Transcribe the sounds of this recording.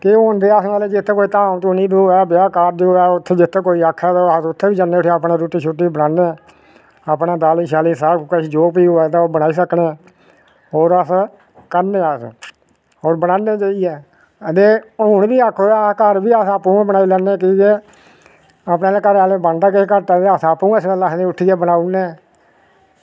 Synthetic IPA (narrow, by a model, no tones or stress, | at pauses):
kɪond̪eːaːsaːled͡ʒɪt̪ʰːeːkoːit̪ãːmt̪oːnĩːb̪oɛːbɪaːkaːɾd͡ʒoːɛːʊt̪ʰːeːd͡ʒɪt̪ʰːeːkoːiːaːkʰːɛːt̪asʊt̪ʰːeːbiːd͡ʒənːeːʊʈʰːaəpneːɾuːʈiːt͡ʃʰʊʈːiːiːbəɽãːneː | aːpnãːd̪aːliːʃaːliːsaɾkəʃd͡ʒoːpiːoɛːt̪aoːbəɽ̃aːiːsəkneː | oːɾəs | kəɾneːas | oːɾbəɽãːneːt͡ʃaːiɛː | əd̪eːɦʊnbiːaːkʰoːakəɾbiːasaːpːũːbənaːilɛːnːẽːkiːkeː | apneːlekəɾaːleːbənd̪aːkɪekəɾt̪aːeaːsaːpːũːsɛːlaːknẽːʊʈʰːiːɛːbənaːʊnẽː